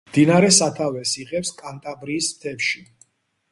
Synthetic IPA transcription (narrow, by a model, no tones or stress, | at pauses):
md̪inaɾɛsat̪ʰavɛsiʁɛpskʼant̪ʼabɾiːst̪ʰɛfʃi